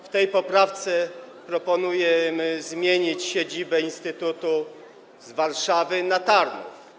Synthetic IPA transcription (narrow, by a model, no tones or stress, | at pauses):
ft̪ɛjpɔpɾaft̪sɛ | pɾɔpɔnujɛmɘzmʲjeɲit͡ɕɕed͡ʑibɛinst̪ɘt̪ut̪u | zvaɾʂavɘnat̪aɾnṵf